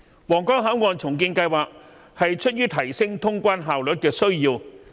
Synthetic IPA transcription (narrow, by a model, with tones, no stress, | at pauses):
wɔː˨˩ŋkɔː˥ŋɦaː˨˥nŋɔː˨nt͡sʰʊ˨˩ŋk̬iː˧nkɐ˧jwaː˨k̚ | hɐ˨jt͡ʃʰɵ˥t̚ɥyː˥t̪ʰɐ˨˩jsɪ˥ŋt̪ʰʊ˥ŋkʷaː˥nɦaː˨wlɵ˨t̚kɛː˧sɵ˥ɥjiː˧w